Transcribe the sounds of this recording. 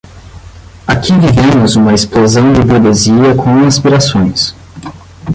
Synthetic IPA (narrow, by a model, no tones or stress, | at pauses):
akʰivivẽmʊzũmɐesplozɐ̃w̃d͡ʒɪbuɡeziɐkʰõw̃aspiɾasõj̃s